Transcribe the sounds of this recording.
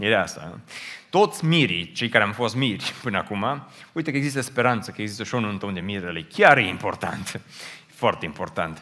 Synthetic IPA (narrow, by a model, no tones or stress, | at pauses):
idasa̰t̪ot̪smiɾit͡ʃeikaɾamfoasmiɾipɨnakumawut̪əkeɡzist̪espeɾant̪sakeɡzist̪oʃonunt̪õnd̪emiɾalekjaɾeimpoɾt̪a̰nt̪ | fɔɾt̪eimpoɾt̪ant̪